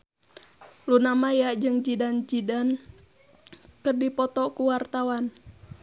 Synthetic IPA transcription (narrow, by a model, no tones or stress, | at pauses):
lunamajad͡ʒɨŋd͡ʒidand͡ʒidan | kərdipɔt̪ɔkuwart̪awan